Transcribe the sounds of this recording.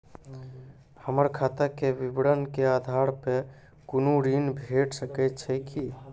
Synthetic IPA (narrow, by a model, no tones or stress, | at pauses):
həməɾkʰat̪akeʋibɽənkead̪ʱaɾpe | kunuɾinbʱeʈʰsəkɛt̪t͡ʃʰɛki